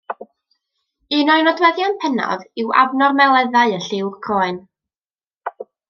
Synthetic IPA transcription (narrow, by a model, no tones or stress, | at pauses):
ɨnɔɨnɔdwɛðjanpʰɛnɔ̰ðɪwa̰vnɔrmɛlˠɛðaɨəɬɪwrkʰoːɨn